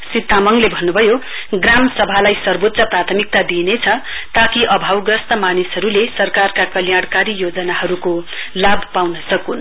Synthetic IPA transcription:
sit̪ːamʌŋlebʱʌnːubʱʌjo | ɡramsʌbʱalajsʌrbot̪sʌprat̪ʰʌmik̚t̪ad̪inet͡sʰʌt̪akiʔʌbʱawɡrʌst̪ʌmanisɦʌɾulesʌrkarkakʌljaɽkaɾijod͡zʌnaɦʌɾukolabpawnʌsʌkun

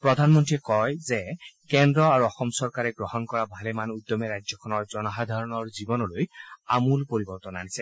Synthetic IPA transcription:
pɹɔd̪ʱanmɔntɹiɛkɔjzɛkɛndɹɔaɹuɔxɔmsɔɹkaɹɛɡɹɔhɔnkɔɹabʱalɛmanud̪ɔmɛɹajzɔkʰɔnɔɹzɔnɔxad̪ʱaɹɔnɔɹzibɔnɔlojamulpoɹibɔɹt̪ɔnanisɛ

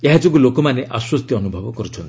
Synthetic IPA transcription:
ieɦad͡ʒɔɡulokɔmaneʔaswɔst̪jiɔnubʱɔbɔkɔɾut͡ʃʰɔnt̪i

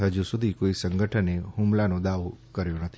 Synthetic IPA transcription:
ɦəd͡ʒusud̪ʱikoisəŋɡəʈʰənehumlanõd̪aʋokəɾjonət̪ʰi

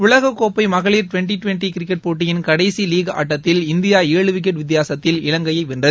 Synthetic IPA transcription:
ʋʊɭɐɣɐkːoːpːɐɪmɐɣɐɭiːɾʈʊʋɛɳʈiʈʊʋɛɳʈikɪɾɪkːɛʈ̚poːʈ̬ːɪjɪnkɐɽɐɪsiliːɣɐa̰ːʈːɐt̪ːɪlɪnd̪ɪjaːeːɭɯʋɪk̬ːɛʈʋɪt̪ːɪjaːsɐt̪ːɪlɪɻɐŋɡɐjɐɪʋɪnɖɐð

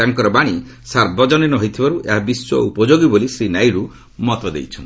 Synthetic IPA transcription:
aŋkɔɾɔbaɽ̃i | saɾbɔd͡ʒɔninɔɦojt̪ʰibaɾuʔeɦabiswɔ̰upɔd͡ʒoɡibolisɾinajɾu | mɔt̪ɔd̪ḛjt͡ʃʰɔn

